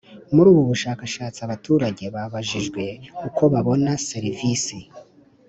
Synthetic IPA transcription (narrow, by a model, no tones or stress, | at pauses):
muɾuːβuβuʃaːkaʃaːt͡siaβatuːɾaɟe̞βaβaʒiʒɡwe̞kukʰo̞βaβo̞naseɾivisi